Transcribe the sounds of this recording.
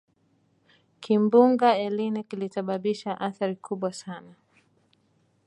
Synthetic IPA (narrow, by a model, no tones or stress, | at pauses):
kʰimbuŋɡaɛlinɛkilisaɓaɓiʃaʔaθaɾikʰuɓwasana